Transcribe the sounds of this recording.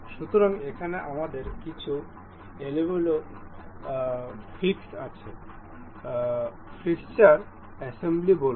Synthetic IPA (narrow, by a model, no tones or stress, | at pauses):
ʃut̪oɾaŋekʰaneʔamad̪eɾkit͡ɕʰu | elebelo | fʰiksat͡ɕʰe | fʰist͡ɕaɾ | ɛsemblibol